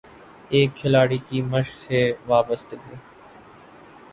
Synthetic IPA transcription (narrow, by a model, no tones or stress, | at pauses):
eːkʰːɪlaːɽiːkiːməʃseːʋaːbəst̪ɡeː